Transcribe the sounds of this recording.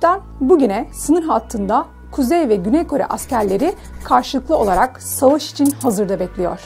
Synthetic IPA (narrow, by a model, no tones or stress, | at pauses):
t̪æn | buɟynɛsɯnɯɾɦat̪ʰːɯnd̪a | kʰuzɛjvɛɟynɛjkʰo̞ɾɛ̰ʔascæɾlʲe̞ɾi | kʰaɾʃɯlˠɯklˠɯo̞lˠaɾak | savaʃi̥t͡ʃʰinhazɯɾd̪abɛclʲijo̰ɾ̥